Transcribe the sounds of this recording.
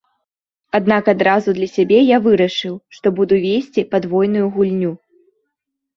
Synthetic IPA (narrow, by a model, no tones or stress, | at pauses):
ad̪̚nakad̪ɾazud̪lʲɐsʲabʲɛjavɨɾɐʂɨwʂt̪ɔbud̪uvʲesʲt͡sʲipad̪vɔjnujuɣulʲnʲu